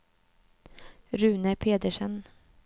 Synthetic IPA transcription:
ɾʉ̟ːnəpʰeːd̪əʂən

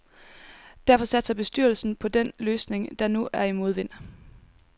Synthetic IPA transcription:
d̥æɐfɒ̽sæd̥sɐb̥e̝sd̥yɐl̩sn̩pʰɒ̽d̥en̰løːsne̝ŋd̥ɑ̈nuʔæɐimo̝ð̞ˠʋe̝n̰

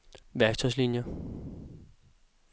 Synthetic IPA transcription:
ʋæɐɡ̥t͡sʰɒslinjɐ

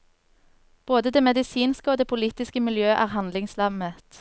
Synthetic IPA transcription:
b̥oːd̪əd̪eːmɛd̪ɪsiːnskəoːd̪eːpʰʊliːt̪ɪskəmɪljøːʔæːʁhɑnd̪lɪŋslɑmət̪

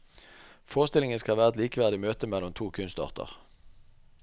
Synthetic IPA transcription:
foːʁəst̪ɪlɪŋənskɑʋæːʁɛt̪liːkəʋæːʁd̪ɪmøːt̪əmɛlːɔmt̪ʰuːkʰʉnst̪ɑ̰ːʁt̪ʰə̰ʁ

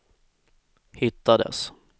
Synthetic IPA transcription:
hɪt̪ːad̪ə̰s

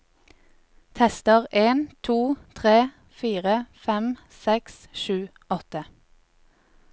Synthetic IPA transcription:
t̪ʰɛst̪əʁʔeːnt̪ʰuːt̪ʰʁeː | fiːʁəfɛm | sɛksʃʉː | ɔt̪ə

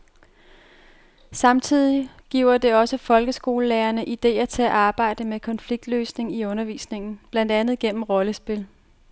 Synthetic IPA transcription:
sɑ̈mt͡sʰið̞̰ˠiɡ̥iʊ̰ɐd̥e̝ɒ̽səfɒ̽lɡ̥əsɡ̥o̝ːləleːɐnəʔid̥e̝̰ːɐt͡sʰe̝æʔɑ̈ːb̥ɑ̈ɪ̰d̥əmekʰɒ̽nfliɡ̥̚d̥løːsne̝ŋiɔ̽nɐʋḭːsne̝ŋn̩b̥lænd̥ænð̞̩ˠɡ̥en̰m̩ʁɒ̽ləsb̥e̝l

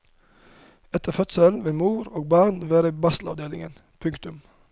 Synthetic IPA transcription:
ɛt̪ʰəfœt̪səlʋeːmuːɾoːɡ̚bɑːnʋæːɾəbɑst̪l̩ɑ̰ʋd̪eːlɪ̰ŋə̰n | pʰʉŋkt̪ʉm

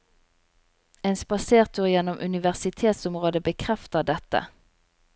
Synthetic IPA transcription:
eːnspɑseːʁt̪ʰʉːʁjɛnɔmʔʉ̰nɪʋæʁsɪt̪ʰeːt̪sɔmʁoːd̪əbəkʰʁɛft̪əʁd̪ɛt̪ə̰

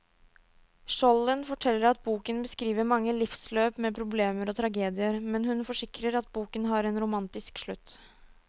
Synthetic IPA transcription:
ʂɔlːənfɔʈʰɛlːəɾɑt̪̚buːkənbəskɾiːʋəɾmɑŋːəlɪfsløːpmɛpʰɾʊbleːməɾɔt̪ʰɾɑɡeːd̪ɪəɾmɛnhʉnfɔʂɪkɾəɾɑt̪̚buːkənɦɑːɾɛnɾʊmɑnt̪ɪskʂɭʉt̪ː

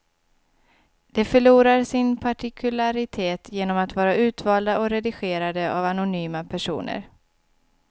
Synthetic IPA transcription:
d̪̥ɛfœɭuːɾaɾsɪnpʰaʈɪkʰɵlaɾɪt̪ʰeːt̪ʰjeːnɔmat̪vɑːɾaʉ̟ːt̪vɑːld̪aʔɔɾɛd̪ɪɧeːɾad̪əʔa̰vanʊnyːmapʰæʂṵːnə̰ɾ

